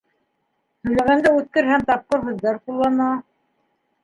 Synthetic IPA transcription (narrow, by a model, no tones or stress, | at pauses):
hɵ̆jlæɣænd̪æʉt̪̚kɘɾhæmt̪ɑp̚qoɾɦɵ̆ðːɑɾqulˠːɑnɑ